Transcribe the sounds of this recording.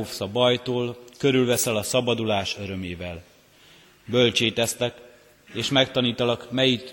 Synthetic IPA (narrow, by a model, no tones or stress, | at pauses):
ofsɒbɒjt̪oːlkø̞ɾylvɛsɛlɒsɒbɒd̪ulaːʃø̞ɾø̞meːvɛl | bø̞lt͡ʃeːt̪ɛst̪ɛk | eːʃmɛkt̪ɒniːt̪ɒlɒkmɛjit̪